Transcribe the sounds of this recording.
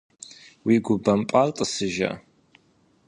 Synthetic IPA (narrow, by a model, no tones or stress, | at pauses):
wiːɡʷʊbɐmpʼaltʼɨsɨʒɐ̰